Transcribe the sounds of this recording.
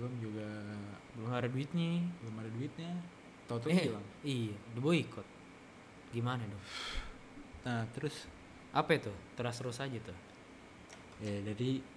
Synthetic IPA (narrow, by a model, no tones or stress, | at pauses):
bəlʊmd͡ʒuɡabələmaɾaduɪt̪̚ɲibələmaɾaduɪt̪̚ɲa | t̪at̪̬ailaŋijadiboikɔt̪̚ | ɡimanadɔ | nat̪əɾʊs | ʔapɛt̪ʊt̪əɾasɾosad͡ʒat̪ʊ | adaɾi